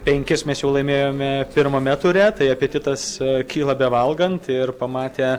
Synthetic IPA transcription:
pʲɛŋʲkʲɪsmʲɛsjɛʊlˠɐɪmʲeːjoːmʲɛpʲɪɾmoːmʲɛt̪ʊɾʲɛt̪ɐɪɐpʲiɛt̪ʲɪt̪ɐskʲiːlˠɐbʲɛʋɐlˠɡɐnt̪ɪrpɐmɑːt̪ʲeː

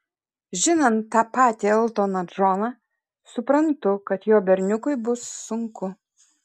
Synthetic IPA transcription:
ʒʲɪnɐnt̪ːɑːpɑːt̪ʲiɪlˠt̪oːnɐʒɔnɑ | sʊpɾɐnt̪ʊkɐt̪joːbʲɛɾʲnʲʊkʊɪbʊsːʊŋkʊ

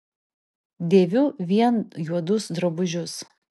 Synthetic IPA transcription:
d̪ʲeːʋʲʊːʋʲiɛnjuɔd̪ʊsd̪ɾɔbʊʒʲʊs

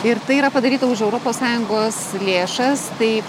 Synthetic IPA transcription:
ɪɾt̪ɐɪiɾɐpɐd̪ɐɾʲiːt̪ɐʊʃɛʊɾoːpoːssɑːjʊŋɡoːslʲeːʃɐst̪ɐɪ

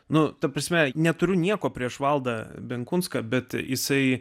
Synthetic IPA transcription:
nʊt̪ɐpɾɐsʲmʲɛnʲɛt̪ʊɾʲʊnʲiɛkoːpʲɾʲiɛʃʋɐlˠd̪ɐbʲɛŋkʊnskɐbʲɛt̪jɪsɐɪ

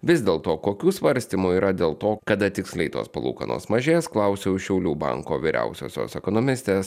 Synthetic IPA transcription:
ʋʲɪzʲd̪ʲeːlˠt̪oːkoːkʲuːsʋɐɾʲsʲt̪ʲiːmuːiːɾʔɐd̪ʲeːlˠt̪oːkɐd̪ɐt̪ʲɪksʲlʲɛɪt̪o̰ːspɐlˠṵːkɐ̰no̰ːsmɐʒʲeːsklˠɐʊsʲoʊʃʲɛʊlʲuːbɐ̰ŋkoːʋʲiːɾʲæ̰ˑʊsʲo̰ːsʲo̰ːsɛkonoːmʲɪsʲt̪ʲeːs

